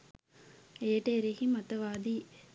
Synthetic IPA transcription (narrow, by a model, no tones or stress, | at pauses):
eːʈeːɾehimɐt̪ɐʋaːd̪i